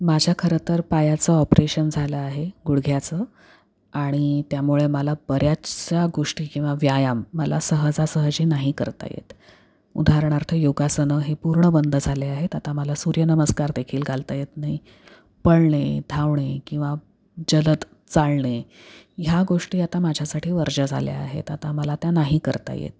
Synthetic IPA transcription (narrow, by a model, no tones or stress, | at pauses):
mad͡ʑʱjakʰəɾət̪əɾpajat͡səɔpɾeɕənd͡zʱaləaɦeɡuɽɡʱjat͡səː | aɽ̃it̪jamuɭeməlabəɾjat͡ɕjaɡoʂʈiːkĩw̃ʋaʋjajamːəlasəɦəd͡zasəɦəd͡ʑiːnaɦikəɾt̪a̰jḛt̪ | ṵd̪ʱaɾɳ̃aɾt̪ʰəjoɡasənəɦepuɾɳəbənd̪ʱəd͡zʱaleaɦet̪at̪aməlasuɾjənəməskaɾd̪ekʰiːlɡʱalt̪ajet̪naɦi | pəɭɳed̪ʱaʋɳekĩw̃ʋa | d͡ʑələt̪ | t͡saɭɳejaɡoʂʈiːat̪amad͡ʑʱasaʈʰiːʋəɾd͡ʑəd͡zʱa̰lḛa̰ɦḛt̪at̪aməlat̪janaɦikəɾt̪a̰jḛt̪̚